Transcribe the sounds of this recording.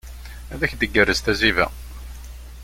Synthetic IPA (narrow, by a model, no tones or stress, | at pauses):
æðæçd̪əɡːərːəzt̪æzivæ̰